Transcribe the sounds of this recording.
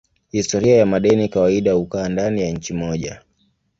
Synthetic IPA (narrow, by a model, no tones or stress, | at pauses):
histɔɾiajamaɗɛnikawaiɗahukaːndanijaɲ̩t͡ʃimɔʄa